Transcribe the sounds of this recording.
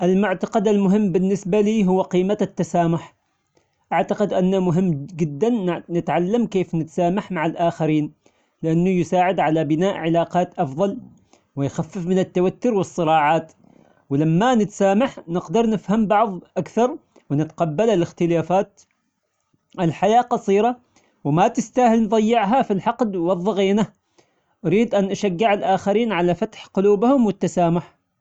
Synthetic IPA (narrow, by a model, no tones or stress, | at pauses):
ʔɪlmʊʕt̪aqɑd̪almʊɦɪmːbɪnːɪsbaliːɦʊwːqiːmaat̪ːasaːmʊħ | ʔaʕt̪aqɪd̪ʔanːamʊɦɪmːd͡ʒɪd̪ːannɪt̪ʕalːamkeːfnɪt̪saːmaħmaʕɪlʔaːxaɾiːn | lɪʔanːʊjɪsaːʕɪd̪ʕalabɪnaːʔʕɪlaːqɑːt̪ʔɑfðˤɑl | wɪjxafːɪfmɪnɪt̪ːawat̪ːʊɾwɨsˤːɨɾɑːʕɑːt̪ | wɪlamːanɪt̪saːmaħnɪqd̪ɑɾˤnɪfhambɑʕðˤʔakθɑɾˤ | wɪnɪt̪qɑbːalalɪxt̪ɪlaːfaːt̪ | ʔɪlħajaːqɑsˤiːɾɑ | wɪmat̪ɪst̪ahɪlnðˤɑjːɪʕɦafilħɑqd̪wɑðˤːɑɣeːna | ʔaɾiːd̪ʔanʔaʃaɡːɪʕɪlʔaːxaɾiːnʕalafat̪ħqʊluːbhʊmwɪt̪ːasaːmʊħ